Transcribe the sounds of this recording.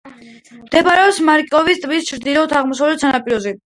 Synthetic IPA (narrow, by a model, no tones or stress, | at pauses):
md̪ɛbaɾɛɔpsmaɾkʼɔvist̪ʼvist͡ʃʰɾd̪ilɔt̪ʰaʁmɔsavlɛt̪ʰsanapʼiɾɔzi